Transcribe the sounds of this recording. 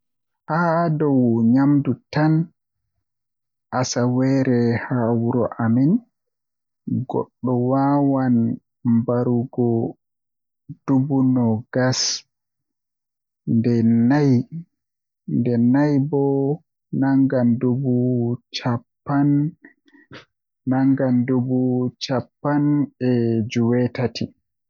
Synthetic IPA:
hadɔwɲamdutan | ʔasawɛːɾɛhawuɾɔʔamin | ɡɔ̰ɗːɔwawan | mbaɾuɡɔ | d̥ubunɔɡas | ndɛnaj | ndɛnajbɔ | naŋɡandubut͡ʃapːan | aŋɡandubut͡ʃapːanɛd͡ʒuwɛtatʰi

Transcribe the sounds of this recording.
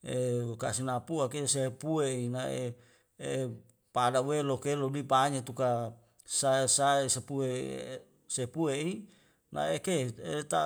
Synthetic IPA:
ekasinapuakesepueinaḛ | e | padawelokelodipaɲet̪uka | saesaesepuḛ | sepuei | na̰ekeet̪a̰

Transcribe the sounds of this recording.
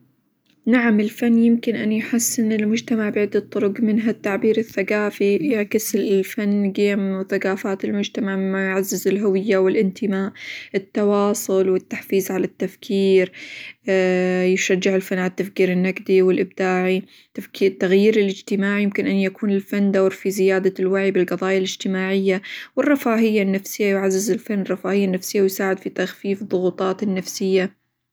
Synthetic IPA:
naʕamɪlfanːjɪmkɪnʔanjħasːɪnɪlmʊd͡ʒt̪amaʕbɪʕɪd̪ːɑt̪ˤːʊɾʊɡmɪnɦat̪ːaʕbiːɾɪθːaɡaːfijɪʕkɪslfanːɡeːmθaɡaːfaːt̪ɪlmʊd͡ʒt̪amaʕɪmːajʕazːɪzɪlɦʊwɪjːawɪlʔɪnt̪ʰɪmaːʔʔɪt̪ːɑwɑːsˤʊlwɪt̪ːaħfiːzʕalat̪ːafkʰiːɾ | jɪʃad͡ʒːɪʕɪlfanːʕalat̪ːafkiːɾɪnːaɡd̪iwɪlʔɪb̚d̪aːʕi | t̪afkit̪ːaɣjiːɾɪlɪd͡ʒt̪ɪmaːʕijɪmkɪnʔanːjakuːnɪlfanːd̪awːɾfizɪjaːd̪alwaʕibɪlɡɑðˤɑːjalɪd͡ʒt̪ɪmaːʕɪjːawɪrˤːɑfaːɦɪjːanːafsɪjːajʊʕazːɪzɪlfanːrˤːɑfaːhɪjːanːafsɪjːawɪjsaːʕɪd̪fit̪axfiːfðˤʊɣuːt̪ˤɑːt̪ɪnːafsɪjːa

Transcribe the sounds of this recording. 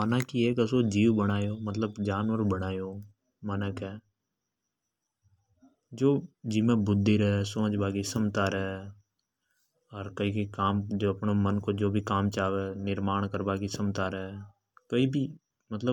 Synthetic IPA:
mənakieːkəsod͡ʒiːwbəɽ̃aːjoːmət̪ləbd͡ʒaːnwəɾbəɽ̃aːjoː | mənəkɦɛː | d͡ʒoːd͡ʒimẽbʊd̪ʱːiɾɦesõːd͡ʒbaːɡisəmt̪aɾəe | ɔːɾkɐikikaːmd͡ʒoːɐpnomənkod͡ʒoːbʱikaːmt͡ʃaːʋeːnɪɾmaːɳ̃kəɾbaːkisəmt̪aɾəɦɛ | koːibʱi | mət̪lə

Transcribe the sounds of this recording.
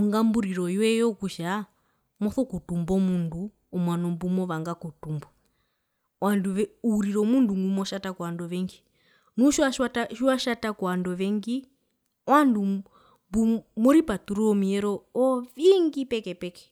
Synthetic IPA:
uŋɡambuɾiɾɔiwɛjɔkuʃa | mɔθɔkutumbɔmunduː | mwanɔmbumɔʋaŋɡakutumbɔ | wanduuɾiɾɔmunduŋɡumɔʃatakuwandɔʋɛŋɡi | nuʃwaʃataʃiwaʃatakɔwandɔʋɛŋɡi | wandu | mbumɔɾipatuɾɔmiɛɾɔɔʋiŋɡipɛkɛpɛkɛ̥

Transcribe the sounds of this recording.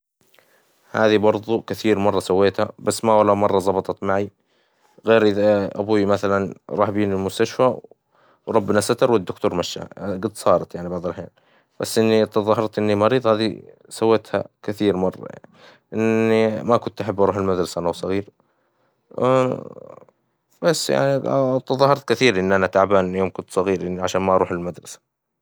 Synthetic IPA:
ha̰ːðibɑɾˤðˤukɪθiːɾmɑrˤːɑsawːeːt̪habasːmawalawmɑrˤːɑzˤɑbɑt̪ˤɑt̪maʕi | ɣeːɾʔɪðaʔa̰buːmaθalanɾˤɑːħbiːnɪlmʊst̪aʃfaw | wɾˤɑbːɪnasat̪ɑɾˤwɪd̪ːʊkt̪uːɾmaʃːa̰ɡɪd̪ːsˤɑːɾˤɑt̪jaʕnibɑd̪ˤɑlħeːn | b̥asːʔɪnːit̪ɑðˤɑɦɑɾˤt̪ʔɪnːimɑɾiːðˤhaːðḭ | sawːet̪ha̰kɪθiːɾmɑrˤːɑ̰a̰ni | ʔɪnːimakʊnt̪ʔaħabːʔɑɾˤuːħɪlmad̪ɾˤɑsaʔanawsˤɑɣiːɾ | b̥asːja̰ʕnit̪ɑðˤɑhːɑɾˤt̪̚kɪθiːɾʔɪnːʔanat̪aʕbaːnjoːmkʊnt̪sˤɑɣiːɾʔɪnːiʕaʃaːnmaʔɑɾuːħɪlmad̪ɾˤɑsḁ

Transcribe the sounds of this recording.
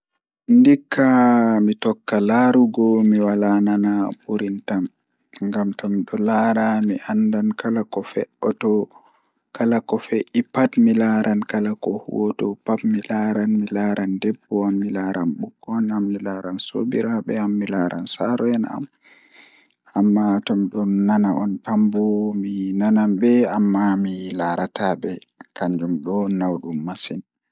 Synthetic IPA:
ndikʰːamitɔkːalaːɾuɡɔmiwalananabuɾintam | ŋɡamtɔmɗɔlaɾamiʔandankalakɔfɛʔɔtɔ | kalakɔfɛʔipatmilaɾʔankalakɔhṵwɔtɔpapmilaɾanmilaɾandɛbːɔamːilaɾa̰nɓukːɔnamːilaɾanso̰biɾaɓɛamːilaɾʔa̰nsaɾɔjɛna̰m | amːatɔmɗɔnːanaʔɔntambɔminanambɛamːamilaɾatabɛkaɲd͡ʒumɗɔnawɗumːasin

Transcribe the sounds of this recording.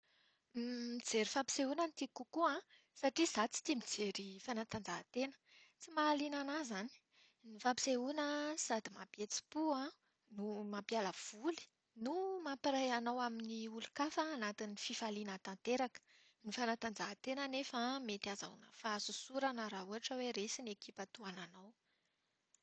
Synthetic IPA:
mid͡zeɾifapi̥seunənit̪ikukuã | saʈ͡ʂiz̥at͡si̥t̪imid͡zeɾifanat̪and͡zaɦt̪enə̥ | t͡simaːlinanazani̥ | nifapi̥seunəsad̪imapjet͡si̥puã | numapjaləv̥uli̥ | numapiɾajanawaminiulukafaːnat̪inififalinat̪ant̪eɾakə̥ | nifanat̪and͡zaɦat̪enənefəmet̪aza̰ṵnə̰faasusuɾanəɾaɦuaʈ͡ʂəweɾesinekipat̪uananaw

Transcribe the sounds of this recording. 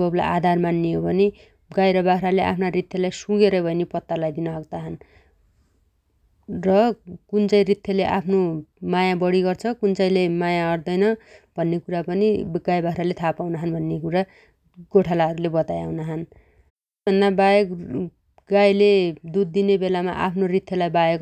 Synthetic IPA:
bʌbla̰jʔad̪ʱarmanːiobʱʌni | ɡajɾʌbakɾaleʔa̰pʰnarit̪ʰjʌlajsuɡeɾʌjbʱʌjnepʌt̪ːalajd̪inʌɦʌɡ̚t̪aɦʌn | rʌkunt͡sʌjɾit̪ʰːjʌleʔapʰnomajabʌɽiɡʌrt͡sʰʌkunt͡sʌjlemajaʌɽd̪ʌjnʌbʱʌnːekuɾapʌniɡajbaɦɾalet̪ʰapawnaɦʌnbʱʌnːekuɾa | ɡoʈʰalaʌɾulebʌt̪ajawnaɦʌn | bʱʌnd̪abajʌk | ɡajled̪ud̪̚ːinebelama̰ʔa̰pʰnorit̪ʰːjʌlajbajʌk

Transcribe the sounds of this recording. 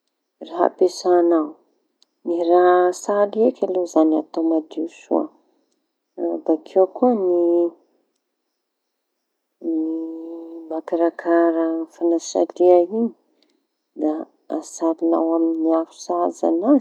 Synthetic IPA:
raɦa̰pesanaw | niraɦsaliekʲalozanat̪omad̪iusṵə̰ | bakʰewkuəni | ni | makaɾakʰaɾəfanasa̰liaini̥ | d̪aː | salina̰waminiafu̥saza̰na

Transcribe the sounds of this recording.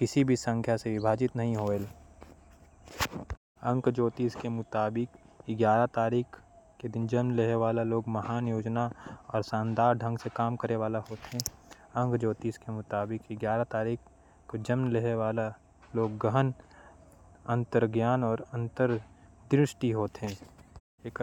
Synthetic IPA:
kɪsibʱisə̃ŋkʰjaseʋɪbʱaːd͡ʒɪt̪nɐɦĩɦoːel | ə̃ŋkd͡ʒoːt̪iːskemʊt̪aːbɪkɡjaːɾat̪aːɾiːkʰked̪ɪnd͡ʒɐmnleɦeʋaːlaloːɡmɐɦaːnjoːd͡ʒnaɔːɾsãːnd̪aːɾɖʱə̃ŋɡsekaːmkəɾeʋaːlaɦoːt̪ɦɛ̃ː | ɐ̃ŋkd͡ʒoːt̪iːskemʊt̪aːbɪkɡjaːɾat̪aːɾiːkʰ | kod͡ʒəmnleɦeʋaːla | loːɡːəɦən | ɐ̃nt̪əɾɡjaːnɔːɾɐ̃nt̪əɾd̪ɾɪʃʈiɦoːt̪ɦɛ̃ː | eːk

